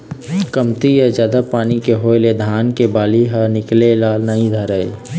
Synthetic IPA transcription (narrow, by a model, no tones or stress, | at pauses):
kəmt̪ijəd͡ʒjaːd̪apaːnikeɦoːeled̪ʱaːnkebaːliɦənɪklelaːlnəɦĩd̪ʱəɾəe